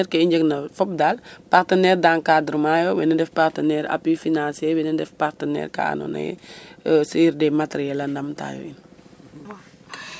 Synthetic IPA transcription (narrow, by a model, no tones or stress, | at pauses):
ɛɾkɐiɲd͡ʒəknɐfɔp̚dalpartənɛːrdaːnkadɾmaːjɔwɛnɐdɛfpartənɛːɾɐ̰pjifinansɛwɛnɐdɛfpartənɛ̰ːrka̰ːnɔ̰nɐ̰jɛ̰siɾdɛmatɾjɛlɐndɐmta̰ːjɔ̰in